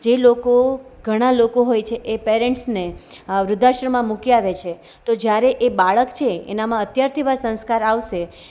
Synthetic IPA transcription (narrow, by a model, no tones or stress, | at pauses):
d͡ʒelokoɡʱəɽ̃alokoɦojt͡ʃʰeʔepeɾẽɳʈsneʋɾʊd̪ʱːaʃɾəmãmũkijaʋet͡ʃʰe | t̪od͡ʒjaɾeʔebaɭəkt͡ʃʰeḛnamãət̪jaɾt̪ʰiʋasə̃nskaɾaʋʃe